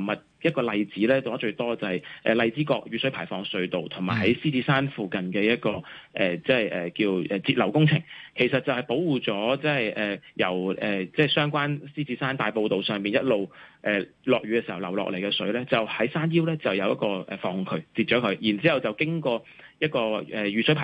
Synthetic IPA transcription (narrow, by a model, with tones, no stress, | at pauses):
mɐ˨t̚jɐ˥t̚kɔː˧lɐ˨˧jt͡siː˨˥lɛː˥t̪o˨˩ɐ˥t͡ʃɵ˧ɥt̪ɔː˥˧t͡sɐ˨˩hɐ˨jʔɛ̰ː˨lɐ˧jt͡siː˨˥kɔː˧k̚jyː˨˥sɵ˨˥pʰaː˨˩jfɔː˧ŋsɵ˨˥ɥt̪o˨wt̪ʰʊ˨˩ŋmaː˨˩jɦɐ˨˥jsiː˥t͡siː˨˥saː˥nfuː˨kɐ˨nkɛː˧jɐ˥t̚kɔː˧ʔɛː˨˩t͡sɛ˥˨jʔɛː˨kiː˧wʔɛː˨˩t͡siː˧t̚lɐ˨˩wkʊ˥ŋt͡sʰɪ˨˩ŋkʰe˨˩jsɐ˨t̚t͡sːɐ˨whɐ˨jpo˨˥wwuː˨˩t͡sɔː˨˥t͡sɛ˥hɐ˨jʔɛː˨˩jɐ˨˩wʔɛː˨˩t͡sɛː˥˩sœː˥ŋkʷaː˥nsiː˥t͡siː˨˥saː˥nt̪aː˨jpo˧wt̪o˨wsœː˨ŋpiː˨njɐ˥t̚lo˨wʔɛː˨lɔː˨k̚ɥyː˧˥kɛ˧si˨˩hɐ˨˩wlɐ˨˩wlɔ̰ː˨k̚le˨˩jkɛː˧sɵ˨˥ɥlɛː˥t͡sɐ˨˩whɐ˨˥jsaː˥njiː˥wlɛː˥t͡sɐ˨wjɐ˨˧wjɐ˥t̚kɔː˧ʔɛ̰ː˨˩fɔː˧ŋ˨˧ŋkʰɵ˧ɥt͡siː˧t̚t͡ʃɔː˨˥kʰɵ˨˧ɥjiː˨˩nt͡siː˨˥hɐ˨wt͡sɐ˨wkɪ˥ŋkɔː˧ | jɐ˥t̚kɔː˧ɛː˨˩jyː˨˩sɵ˨˥pʰaː˨